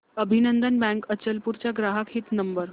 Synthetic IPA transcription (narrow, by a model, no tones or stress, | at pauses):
əbʱinənd̪ənbæ̃ŋkət͡ɕəlpuɾt͡ɕjaɡɾaɦakʰet̪nəmbəɾ